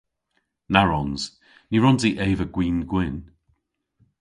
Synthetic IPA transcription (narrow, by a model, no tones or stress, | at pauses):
naɹɔnz̥ | niɹɔnziʔeːvəɡ̥wĩːnɡwɪn